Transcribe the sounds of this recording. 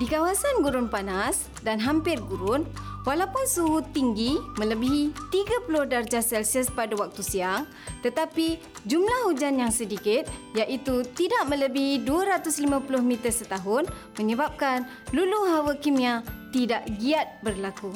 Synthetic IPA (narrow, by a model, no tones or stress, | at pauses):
dikawasanɡuɾʊnpanas | danɦampɪrɡuɾʊnwalawpʊnsuɦut̪iŋɡimə̃ləbiɦit̪iɡapulʊhdard͡ʒasɛlsiəspadawak̚t̪usiaŋ | t̪ət̪api | d͡ʒumlahhud͡ʒanjaŋsədikɪt̪̚jaʔit̪ut̪idaʔmə̃ləbiɦiduaɾat̪ʊslimãpulʊhmit̪ərsət̪aɦʊn | məɲəbap̚kan | luluɦawəkimĩat̪idaʔɡiat̪̚bərlaku